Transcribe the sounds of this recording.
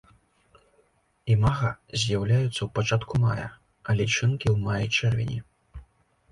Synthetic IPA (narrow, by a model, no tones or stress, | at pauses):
imaɣɐzʲjawlʲajut̪sːɐwpat͡ʂat̪kumajɐ̰ | ɐlʲɛt͡ʂɨnkʲiwmajit͡ʂɛrvʲḭnʲḭ